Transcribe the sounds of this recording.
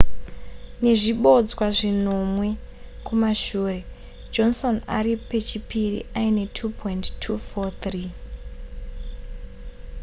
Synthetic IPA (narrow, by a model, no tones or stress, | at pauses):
ne̞ʐiɓo̞d͡zwaʐino̞mwe̞ | kumaʃuːre̞ | d͡ʒo̞nso̞na̰ɾipe̞t͡ʃipirḭʔaine̞tʰupʰointtʰːufot̪riː